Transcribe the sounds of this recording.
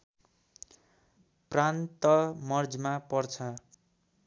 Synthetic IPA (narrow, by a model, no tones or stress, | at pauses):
prant̪ʌmʌrd͡zmapʌrt͡sʰʌ